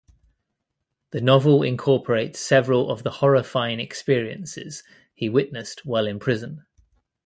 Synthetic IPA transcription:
ðənɒvəlɪ̰̃nkʰɔˑpʰəɹeɪtsɛvəɹələ̰vðəhɒɹəfãɪ̃nɛkspɪəɹiə̰̃nsɪ̰z̥ | hiwɪʔnəstwɛɪlɪ̃npʰɹ̥ɪzə̃n

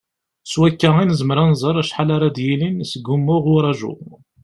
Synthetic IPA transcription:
swækːæinəzəməɾˤænzˤəɾˤæʃħalaɾˤad̪jilinsəɡumːʊʁʊɾˤɑʒʊ̰

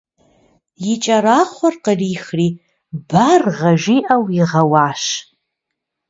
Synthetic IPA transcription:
jɪt͡ʃʼɐɾaːχʷɔrqəriːxriː | barʁɐʒiːʔɐwiʁɐwaːʃ

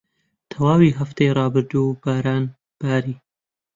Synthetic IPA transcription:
t̪ʰawɑːwiɦaft̪eɾɑːbɪɾd̪obaːɾɑːn | b̥aːɾiː

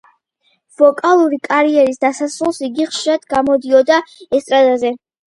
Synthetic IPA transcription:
v̥ɔkʼalˠuɾikʼaɾiɛɾisd̪̥asasɾulˠsiɡiχʃiɾad̪̥ɡamɔd̪iɔd̪aɛst̪ʼɾad̪azɛ

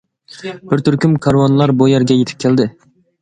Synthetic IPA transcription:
bɪɾt̪ʰyɾkʲymkʰɑɾwɑnlˠɑɾbojɛɾɡʲɛjet̪ʰɪp̚kʲʰæld̪ɪ

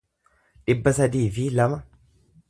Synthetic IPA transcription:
ᶑɪbːɐsɐd̪iːfɪlɐmɐ

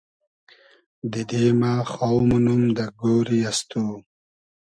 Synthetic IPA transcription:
d̪id̪eːmaːxowmunumd̪əɡoːɾiast̪u

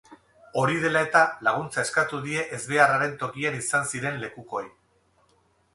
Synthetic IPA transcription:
o̞ɾiðe̞lae̞t̪alaɣ̞unt͡sae̞skat̪uðie̞ʔezβe̞araɾe̞nt̪o̞kianisansiɾe̞nle̞kuko̞j

